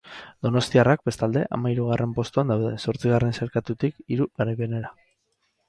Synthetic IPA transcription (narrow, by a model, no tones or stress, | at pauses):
d̪̥o̞no̞st̪iarak̚be̞st̪ald̪e̞ʔa̰maiɾuɣ̞arʔe̞mpo̞st̪uand̪awðe̞so̞ɾt͡siɣ̞are̞nse̞ɾkat̪ut̪ikiɾuɣaɾaβeneɾa